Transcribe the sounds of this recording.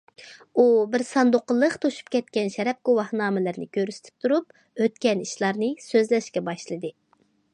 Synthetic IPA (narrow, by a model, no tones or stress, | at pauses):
ubɪɾsɑnd̪oqəlˠːəqt̪ʰoʃu̥pkʲʰɛt̪̚kʲɛnʃɛɾɛp̚ɡowɑhnɑːmɪlɪɾnɨ̰kʲøɾsɪ̥t̪ʰɪ̥p̚t̪ʰuɾup̚ | øt̪kʲɛniʃlˠɑɾnɨsøzlɛʃkʲɛbɑʃlˠɨd̪ɨ